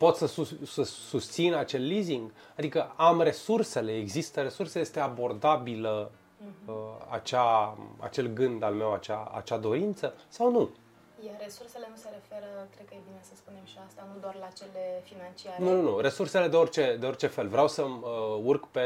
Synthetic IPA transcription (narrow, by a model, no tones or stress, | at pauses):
po̞t̪səsusəsust̪sinat͡ʃe̞lːiziŋɡ | ad̪ikəamre̞surse̞le̞ːɡzist̪əɾe̞surseje̞st̪e̞abo̞rd̪abilə | a̰t͡ʃaa̰t͡ʃe̞lɡɨnd̪alme̞wat͡ʃaa̰t͡ʃad̪o̞ɾint̪səsawnu | jeɾesursele̞nuse̞ɾefe̞ɾəkɾed̪̚kəjebine̞səspune̞mʃiast̪anud̪oarlat͡ʃelefinant͡ʃiaɾnununuɾe̞surse̞le̞d̪eo̞rt͡ʃe̞d̪eo̞rt͡ʃe̞fe̞lvɾeawsəməurkpe